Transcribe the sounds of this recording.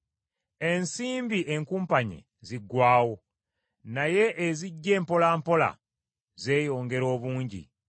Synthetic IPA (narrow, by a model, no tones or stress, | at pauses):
e̞nsiːmbiʔe̞ŋkuːmpaɲḛ | ziɡwaːwo̞ | naje̞ʔːziɟːe̞ːmpo̞laːmpo̞la̰ | ze̞ːjo̞ːŋɡe̞ɾo̞ːβuːɲɟḭ